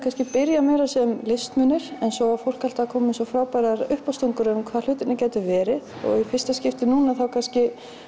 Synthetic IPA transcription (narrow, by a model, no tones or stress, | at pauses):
kʰanscɪpɪɾjamɛːɾasɛmlɪst̪mʏnɪɾ̥ɛnsɔwvaɾfowl̥kal̥t̪akʰɔːmɪnsɔfɾaːwpajɾaɾʏhpawst̪uŋkʏɾʏmkʰvaːl̥ʏːt̪ɪnacaːjt̪ʏvɛːɾɪðɔ̰ɣifɪ̥st̪ascɪft̪ɪnuːnaθawkʰanscɪ